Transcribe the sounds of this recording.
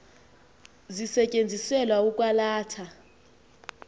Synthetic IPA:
zisɛcʼend͡zʱisɛlwaukʼwalaːtʰa

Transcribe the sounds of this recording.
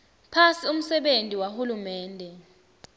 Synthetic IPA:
pʰasium̩sɛɓentʼiwahulumɛːndʱɛ

